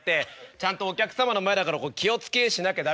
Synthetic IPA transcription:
t̪ːe̞t͡ɕãnt̪o̞ːkʲakɯ̟̥samano̞maed̪akaɾako̞ːkʲio̞t͡sɨ̥ke̞ɕinaked̪a

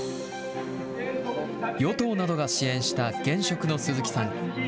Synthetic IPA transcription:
jo̞t̪o̞ːnad̪o̞ɡaɕiẽ̞ɰ̃ɕi̥t̪aɡ̥ẽ̞ɰ̃ɕo̞kɯ̟no̞sɨzɨkʲi̥sãŋ

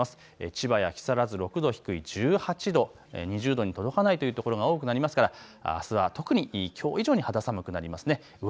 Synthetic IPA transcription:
asɨ̥ | ḛt͡ɕibajakʲi̥saɾazɨɾo̞kɯ̟d̪o̞çi̥kɯ̟id͡ʑɨːhat͡ɕid̪o̞ | ḛɲ̟iʑɨːd̪o̞ɲ̟it̪o̞d̪o̞kanait̪o̞jɯ̟t̪oko̞ɾo̞ɡao̞ːkɯ̟naɾʲimasɨ̥kaɾa̰ːsɨβat̪o̞kɯ̟ɲ̟ikʲʰo̞ːiʑo̞ːɲ̟ihad̪asamɯ̟kɯ̟naɾʲimasɨne̞

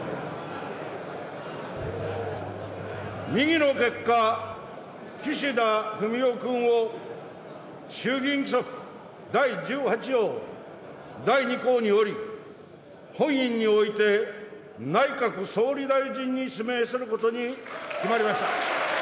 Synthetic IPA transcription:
ɲʲiɡʲino̞ke̞kːa | kʲiɕid̪aɸɯ̟mʲiokɯ̃ɰ̃o̞ | ɕɨːɡʲĩŋkɯsoɸɯ̟̥ | d̪aid͡ʑɨːhat͡ɕijo̞ː | d̪aiɲiko̞ːɲ̟io̞ɾʲi | hõ̞ɰ̃ĩɲ̟ːio̞it̪e̞ | naikakɯ̟so̞ːɾʲid̪aiʑĩɲ̟ːisime̞ːsɨɾɯ̟ko̞t̪o̞ɲikʲimaɾʲimaɕi̥t̪a

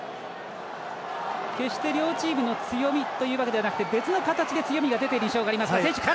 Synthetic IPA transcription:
ke̞ɕi̥t̪e̞ɾʲo̞ːt͡ɕiːmɯ̟no̞t͡sɨjo̞mʲit̪o̞jɯ̟ːβaked̪eanak̟t̪e̞be̞t͡sɨno̞kat̪at͡ɕid̪e̞t͡sɨjo̞mʲiɡad̪e̞t̪eɾĩɕo̞ːɡaːɾʲimasɨasẽ̞ɕɨ̥ka

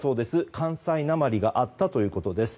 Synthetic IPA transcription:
so̞ːd̪e̞sɨkʰãɰ̃sainamaɾʲiɡaʔat̪ːat̪o̞jɯ̟ːko̞t̪o̞d̪e̞sɨ̥

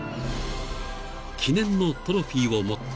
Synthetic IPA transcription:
kʲinẽ̞nːo̞t̪oɾoɸʲiːβomo

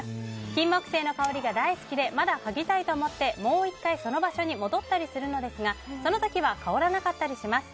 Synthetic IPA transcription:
sɨ̥kʲĩmːokɯ̟̥se̞ːno̞kaoɾʲiɡad̪aisɨ̥kʲid̪e̞mad̪akaɡʲit̪ait̪o̞ːmo̞t̪ːe̞mo̞ːikːaiso̞no̞baɕo̞ɲ̟imo̞d̪o̞t̪ːaɾʲisɨɾɯ̟no̞d̪e̞sɨɡaso̞no̞t̪o̞kʲiβakao̞ɾanakat̪ːaɾʲiɕimasɨ̥

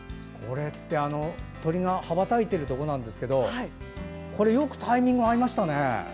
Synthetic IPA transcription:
kʰo̞ɾe̞t̪ːe̞ano̞t̪o̞ɾʲiŋahabat̪ait̪eɾɯ̟t̪o̞ko̞nãnd̪e̞sɨ̥ke̞d̪o̞ai | ko̞ɾe̞jo̞kɯ̟̥t̪aimʲĩŋɡɯaɾʲimaɕi̥t̪ane̞

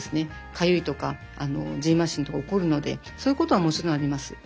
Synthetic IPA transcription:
sɨne̞kʰajɯit̪o̞ka | ano̞d͡ʑĩmaɕĩnt̪o̞kaoko̞ɾɯ̟no̞d̪e̞̰ | soːjɯ̟ko̞t̪o̞βamo̞t͡ɕiɾõaɾʲimasɨ̥

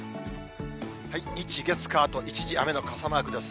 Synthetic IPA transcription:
haiit͡ɕiɡe̞t͡sɨ̥kaːt̪o̞ʔit͡ɕiʑia̰me̞no̞kʰasamaːɡɯ̟d̪es

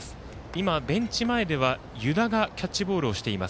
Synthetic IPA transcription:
imabẽ̞ɲ̟t͡ɕimae̞d̪e̞β̞a | jɯ̟d̪aɡakʲat͡ɕːibo̞ːɾɯ̟o̞ɕi̥t̪e̞imas

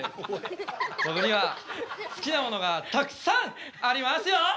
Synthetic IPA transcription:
sobɯɲʲiβasɨ̥kʲinamo̞no̞ɡat̪akɯ̟̥sãŋ | aɾʲimasɨjo

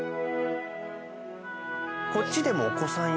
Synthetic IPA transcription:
ko̞t͡ɕʲːid̪e̞mo̞ːko̞sãɰ̃

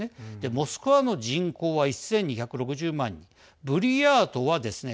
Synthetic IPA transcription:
ed̪̥e̞mo̞sɨ̥kɯ̟βano̞ʑĩŋko̞ːβaisːẽ̞ɲ̟ːiçakɯ̟ɾo̞kɯ̟ʑɨːmãɲ̟ːi | bɯ̟ɾʲijaːt̪o̞βad̪e̞sɨne

